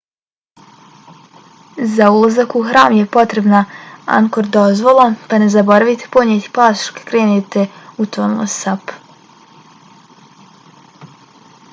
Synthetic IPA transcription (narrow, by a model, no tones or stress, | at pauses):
zaulˠazakuxɾaːmje̞po̞t̪ɾe̞bnaa̰ŋkoɾd̪o̞zʋo̞lˠapane̞zabo̞ɾaʋit̪e̥poɲet̪i̥paːsʃo̥kḁkɾeːnet̪eut̪onlˠo̰sap